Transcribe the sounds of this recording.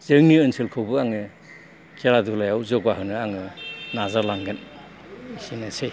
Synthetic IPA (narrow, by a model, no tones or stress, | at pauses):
z̥ɯŋniɯnselkʰɯwbɯaŋɯ | kʰeladulajawzɔɡaɦɯnɯaŋɯnazaɾlaŋɡɯn | isinasʰej